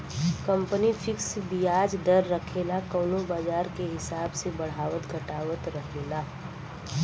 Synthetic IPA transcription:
kə̃mpənifʰɪksbʱiaːd͡ʒd̪əɾːəkʰeːlakəːnõbaːd͡ʒaːɾkeɦɪsaːbsebəɽ̤aːʋət̪ɡʱəʈaːʋət̪ɾəɦeːlaː

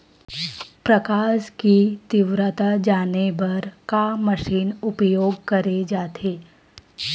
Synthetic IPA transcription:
pɾəkaːʃkit̪ɪʋɾət̪ad͡ʒaːnebɐɾkaməʃiːnʊpjoːɡkɐɾed͡ʒaːt̪ʰeː

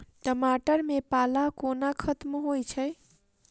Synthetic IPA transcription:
ʈəmaʈəɾmepalakonakʰət̪mɦojt͡ʃʰəj

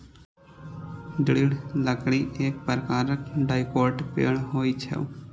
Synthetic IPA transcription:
d̪ɪɽɪɽləkɽiʔeːk̚pəɾkaːɾəkɖaːɪkoːʈpḛːɳɦoːit͡ʃʰɛ̰

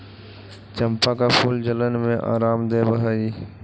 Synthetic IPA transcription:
t͡ʃəmpaːkapʰuːld͡ʒələnmẽʔa̰ːɾaːmd̪eːbəɦaiː

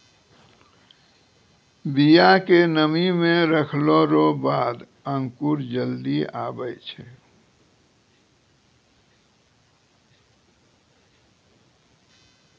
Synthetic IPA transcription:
bijakenəmimẽɾəkʰloɾobaːd̪ | ə̃ŋkuɾd͡ʒəld̪ia̰ːbəjt͡ʃʰɛ

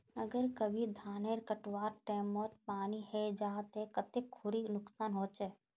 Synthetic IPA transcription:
ɐɡəɾkəbʱid̪ʱaːneːɾkəʈwaːɾʈɛːmoːt̪paːnihɛd͡ʒaːt̪ɦɛkət̪ekkʰʊɾinʊksaːnɦoːt͡ʃɛː

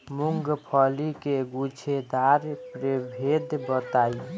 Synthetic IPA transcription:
muŋɡpʰəlikeɡut͡ʃʰed̪aɾpɾebʱed̪bət̪ai

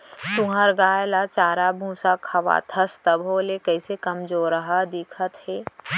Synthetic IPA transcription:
sũɦəɾɡaːjlat͡ʃaːɾabʱũːsakʰɐʋa̰t̪ʰɐst̪əbɦoːlekɛɪsekɐmd͡ʒoːɾəɦad̪ɪkʰət̪hɛː

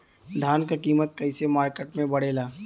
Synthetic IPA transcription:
d̪ʱaːnkakiːmət̪̚kɐɪsemaːɾkeʈmẽbɐɽ̤eːlaː

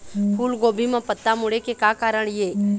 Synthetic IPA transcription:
pʰuːlɡoːbʱimãpət̪ːamʊɽekekaːkaːɾəɳje

